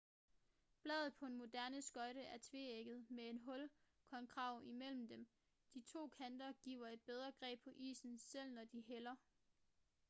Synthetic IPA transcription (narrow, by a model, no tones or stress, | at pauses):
b̥lɛ̰ːðˠð̩ˠpʰɒ̽enmo̝d̥æɐnəsɡ̥ɒ̽ɪɾəæɐt͡sʰʋe̝eɡ̥ð̞̩ˠmee̝nɦɔ̽l | kʰɒ̽nkʰʁɑ̈ʊ̰ʔimel̰m̩d̥em | d̥it͡sʰo̝̰ːkʰænd̥ɐɡ̥ḭʊ̰ɐe̝d̥̚b̥eð̞ˠʁɐɡ̥ʁɛ̰ːb̥̚pʰɒ̽ʔḭːsn̩sel̰nɒd̥iɦelɐ